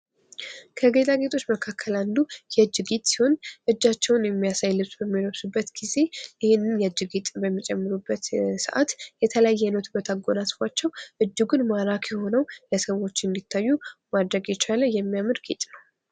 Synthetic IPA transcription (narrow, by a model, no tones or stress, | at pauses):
kʰəɡe̞t̪ʼaɡe̞t̪ʰʼo̞t͡ʃːməkʰakʰːəland̪ujɛd͡ʒɨɡit̪ʼsi̥ho̞nʔɨd͡ʒːat͡ʃːɛwnjɛmːijasajlɨβsbəmːiləwsubːət̪ɡ̥ize̞ʔɪhɪnːɨnjɛd͡ʒɨɡet̪ʼbəmːit͡ʃʼɛmːɨɾubːət̪sɨ̰ʔa̰t̪jɛt̪ʰələjajːɛnət̪ɨbːət̪ʰaɡːo̞nasfat͡ʃːɛwʔɨd͡ʒːɪɡunmaɾakʰjɛho̞nəwləsəβo̞t͡ʃːnd̪it̪ʰːajːumad̪ɾəɡjɛt͡ʃaləjɛmːijamɨɾɡet̪ʼnəw